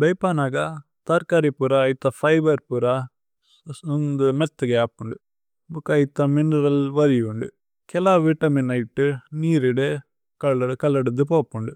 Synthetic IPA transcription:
bɛjpaːnaːɡɐ | t̪ɐɾkaɾipuɾaːɪt̪ːɐfɐɪʋɐɾpuɾa | und̪ɯmɛt̪ːɐɡɐaːpːuɳɖɯ | bukːɐjɪt̪ːɐmɪnɐɾɐlʋɐɾɪjɯɳɖɯ | kɛlaːʋiʈːɐminɐjʈːɯniːɾɪɽe | kɐlɐkɐlːɐɽɯɯpoːpːuɳɖɯ

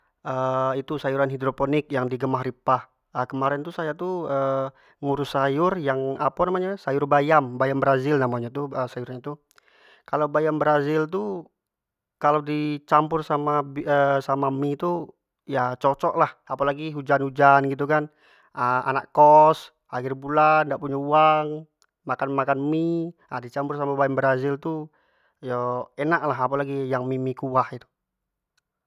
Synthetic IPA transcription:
əit̪usajuɾanɦidɾoponɪk̚jaŋdiɡəmahripah | əkəmaɾɛnt̪usajat̪uə | ŋuɾʊsajʊrjaŋapanamaɲasajʊrbajambajambəɾazɪlnamaɲat̪uəsajuɾɲat̪u | kalawbajambəɾazɪlt̪̬u | kalawdit͡ʃampʊrsamabiəsamamit̪u | jat͡ʃɔt͡ʃɔʔlahapalaɡiɦud͡ʒanhud͡ʒanɡit̪̬ukan | əʔa̰na̰ʔkkːɔs | ahɪrbulandaʔpuɲauaŋ | makanmakanmiadit͡ʃampʊrsamabajanbəɾazɪlt̪u | jɔɛnaʔlaɦapalaɡijaŋmimikuahit̪u̥

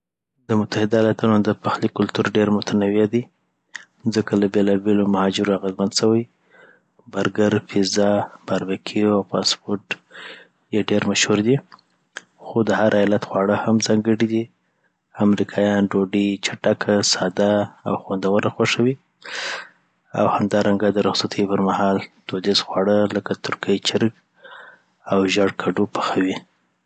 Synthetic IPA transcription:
d̪əmʊt̪ahɪd̪ajalat̪unod̪əpaxlikʊlt̪uɾɖeɾmʊt̪ʰanawjad̪i | zəkalabelɑbelomahɑd͡ʒɪɾoaɣəzmanʃəwəj | baɾɡaɾfizɑb̥aɾbakʰiawpɑspoɾʈ | jeɖeɾmaʃhuɾd̪i | xod̪əhaɾʔajɑlat̪xwɑɽəhamzɑŋɡəɽid̪i | amɾikʰɑjɑnɖoɖit͡ʃaʈakʰasɑd̪aa̰wxwand̪awəɾaxwaʂawi | a̰whamd̪ɑɾaŋɡad̪əɾʊxsat̪ʰəjpəɾmahɑlt̪od̪ezxwɑɽələkat̪ʊɾkʰəjt͡ʃɪɾɡ | awʒaɽkʰaɖupə̥xawi

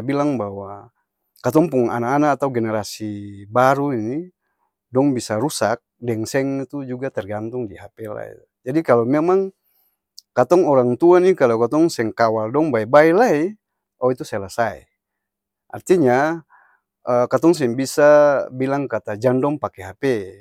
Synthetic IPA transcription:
bilaŋbawa | kat̪ɔŋpuŋa̰nakanaat̪auɡɛnɛɾasibaɾuini | dɔŋbisaɾusak̚dɛŋsɛŋit̪ud͡ʒuɡat̪ɛrɡant̪uŋdiɦapɛla̰ḭ | d͡ʒadikalamɛmaŋ | kat̪ɔŋɔɾaŋt̪uanikalakat̪ɔŋsɛŋkawaldɔŋbaɛbaɛlai | ɔit̪usɛlasaḭ | ʔa̰rt̪iɲa | əkat̪ɔŋs̬ɛŋbisabilaŋkat̪ad͡ʒandɔŋpakɛɦapɛ

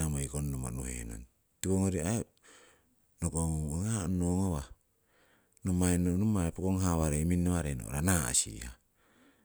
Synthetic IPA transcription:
amoikonːomo̰nuhḛno̰n | tikoŋoɾiae | nokoŋoŋoŋanoŋowa | nomaenonomaepokoŋɦawaɾeminːoβaɾeno̰ɾanaa̰sḭha

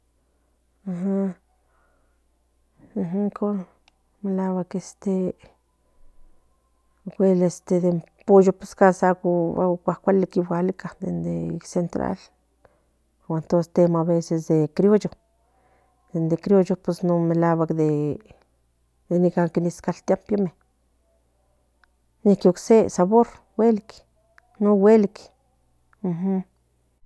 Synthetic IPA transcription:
aɦa | ɦko | melaβakest̪e | ɡʷelest̪ed̪empojopeskasaɡua̰kʷakʷalekiβʷalikad̪end̪esent̪ɾa̰l | oent̪onsest̪emoaβesesd̪ekɾjojo | d̪end̪ekɾijojopesnomelawakd̪e | d̪enikaŋkiniskalt̪jampjome | nihkioksesaβoɾ | welk | nowelik | m̩h̩

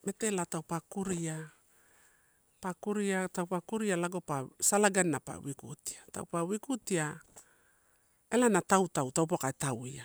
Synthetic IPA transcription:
me̞te̞latawpakuɾia | pakuɾiatawpakuɾialaɡo̞pasalaɡanːapa̰wikṵti̥ata̰wpawikutia | elanatawtawtawp̬okaetawia

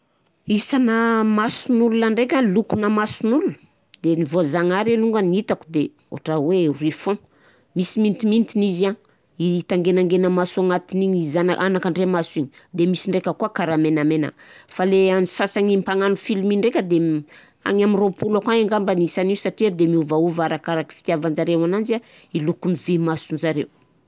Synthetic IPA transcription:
isanəmasunululaɳɖ͡ʐekʲalukunəmasunulul | d̪enivoazaŋaɾeluŋɡaniit̪aku̥d̪e | o̰ʈ͡ʂawerifõ | misimint̪imint̪iniza | it̪aŋɡenaŋɡenəmasuaŋat̪iniɲizanʔanakaɳɖ͡ʐemasiɲi | d̪emisiɳɖ͡ʐekʲəkuakaɾamenamena̰faleanisasaŋimpaŋanufilimiɳɖ͡ʐekʲəd̪e | a̰ŋamiropulakwaeŋɡambanisaniusaʈ͡ʂiad̪emiuvauvaɾakaɾaki̥fi̥t̪javand͡ʒaɾewanand͡ʒia | ilukunivimasunzaɾew

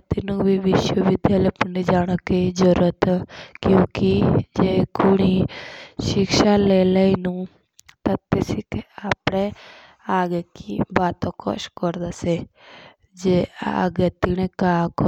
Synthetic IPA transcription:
t̪inũbiʋɪʃwəʋɪd̪ʱjalepənːid͡ʒaːɽ̃ɔkid͡ʒəɾuɾət̪kjũːkid͡ʒekoɽ̃iʃɪkʃaleːləinũ | t̪ɐt̪esikeaːpɽ̃e | aːɡekibaːt̪õkʰɔ̰ʃkɔɾd̪ase | d͡ʒea̰ɡet̪iɽ̃ekaːk

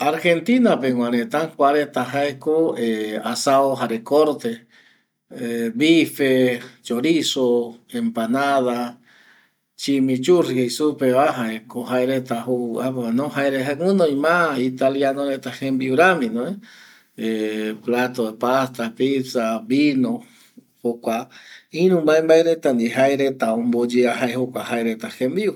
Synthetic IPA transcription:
aɾxent̪inapeŋʷwaɾet̪aŋkʷaɾet̪aɦaekoeasaoɦaɾekoɾt̪e | eβifet͡ʃoɾisoempanaða | t͡ʃimĩt͡ʃurihejsupeβaɦaekoɦaeɾet̪ahuaanõhaeɾeɦaɨ̃nõj̃mãit̪aljanoɾet̪ahembiuɾamĩnõe | eplat̪oepast̪apisaβbinõ | hokʷaĩɾ̃ũmaembaeɾet̪and̪iɦaeɾet̪aõmbod͡ʒeaɦaehokʷahaeɾet̪ahembiu

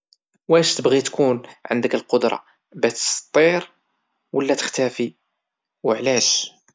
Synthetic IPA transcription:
wæʃt̪əbɣit̪kunʕə̰nd̪əkəlqod̪ɾˤɑ̰ | bæt̪ə̥st̪ˤːiɾ | wəlːæt̪ə̥xt̪æfi | wəʕlæʃ

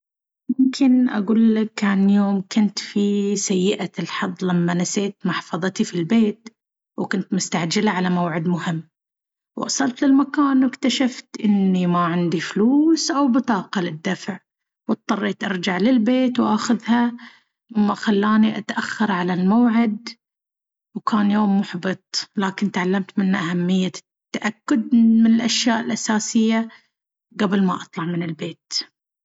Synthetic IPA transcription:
mʊmkʰɪnʔa̰ɡuːlːakanjoːmkʊnt̪fisajːɪʔalħɑd̪ˤːlamːanaseːt̪mʊħfɑðˤɨt̪ifilbeːt̪ | wkʊnt̪mʊst̪aʕd͡ʒɪlaʕalamawʕɪd̪mʊhɪmː | wʔɑ̰sˤɑlt̪lɪlmakaːnwɪkt̪aʃaft̪ʔɪnːimaʕɪnd̪ifluːsʔawbɪt̪ˤɑːqɑlɪd̪ːafʕ | wɑt̪̚ˤːɑrˤːeːt̪ʔɑɾˤd͡ʒaʕlɪlbeːt̪wʔaxʊðha | mːaxalːaːniʔat̪ʔaxːɑɾˤʕalalmawʕɪd̪ | wkʰaːnjoːmːʊħbɨt̪ˤlaːkɪnt̪ʕalːamt̪mɪnːʔahamːɪjːa | t̪ːaʔakːʊd̪̚mɪnɪlʔaʃjaːʔɪlʔasaːsɪjːa | ɡabɪlmaʔɑt̪ˤlɑʕmɪnɪlbeːt̪

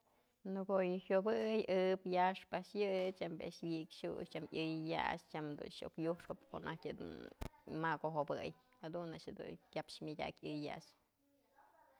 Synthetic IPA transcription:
nɨɡojɨhʲjobɨjɨpjaʂpaʔʂjɨt͡ʃambḛʔʂwikʃṵʃt͡ʃamjʲɨjja̰t͡ʃt͡ʃamd̪ṵnʃo̰kjuʂkopkoʔnʔahkʲɨd̪ṵnmaɡoɦobɨj | had̪unaʔʂhed̪ṵnkʲapʃmʲadʲa̰kʲɨjːa̰ʔt͡ʃ

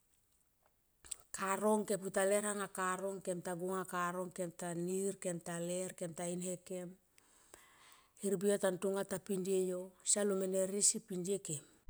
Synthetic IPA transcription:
kaɾo̞ŋke̞putale̞ɾhaŋakaɾo̞ŋkemtaɡuŋakaɾo̞ŋke̞mtaniɾkemtaleɾkemtainhe̞ke̞m | hiɾbiatantuŋatapindiejosalumeneɾisipindiekem

